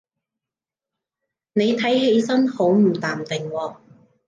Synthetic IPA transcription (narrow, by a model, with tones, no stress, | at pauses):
ne˨˧jt̪ʰɐ˨˥jhe˨˧˥jsɐ˥nho˨˥wm̩˨˩t̪aː˨mt̪ɪ˨ŋwɔː˧